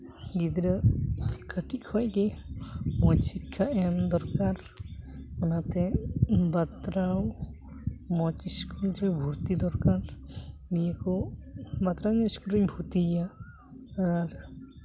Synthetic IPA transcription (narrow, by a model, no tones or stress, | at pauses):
ɡid̪ɾə | kʰəkikʰɔjki | mɔjsikʰːaʔɛmd̪ɔɾkaɾ | ɔnat̪ɛbat̪ɾaw | mɔt͡ʃiskulɾebʱuɾt̪id̪ɔɾkaɾnijakɔbat̪ɾawɲɔiskulɾɛɲbʱut̪iaː | ɾ